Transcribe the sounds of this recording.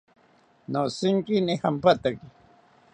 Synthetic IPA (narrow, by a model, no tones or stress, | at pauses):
nosɪŋkinihampat̪aki